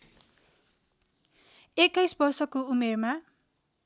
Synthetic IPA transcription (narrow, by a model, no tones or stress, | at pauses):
ekːʌjsbʌrsʌkoumerma